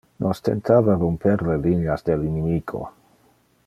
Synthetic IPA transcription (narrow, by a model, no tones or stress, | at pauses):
nʔost̪ent̪ʰaːvarompʰeɾlelineasd̪elinemiːɡo̰